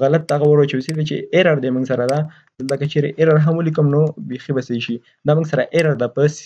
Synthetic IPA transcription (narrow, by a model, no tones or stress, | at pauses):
ɣalat̪ːaaɣawəɾot͡ʃawsid̪et͡ʃḛʔeɾaɾd̪emuŋɡsaɾad̪a | d̪əlt̪akat͡ʃeɾeʔeɾaɾɦamwəlikəmnobexibaseʃi | d̪ɑmuŋɡsaɾaʔeɾaɾd̪apəs